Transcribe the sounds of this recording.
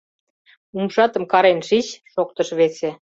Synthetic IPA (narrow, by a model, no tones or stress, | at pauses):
umʃɑt̪ə̆mkɑɾenʃit͡ɕʃok̚t̪ə̆ʃβese